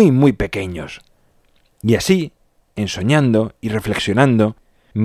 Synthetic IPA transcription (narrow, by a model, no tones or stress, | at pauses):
jmujpe̞ke̞ɲos | iasi | e̞nso̞ɲãnd̪o̞ire̞fle̞ksjo̞nãnd̪o̞ | m